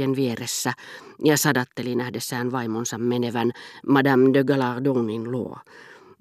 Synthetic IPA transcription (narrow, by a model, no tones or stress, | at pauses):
enʋieresːæjɑsɑdɑt̪ːelinæhdesːæːnʋɑimonsɑmmeneʋænmɑdɑmd̪øɡɑlɑʁduːninluo̰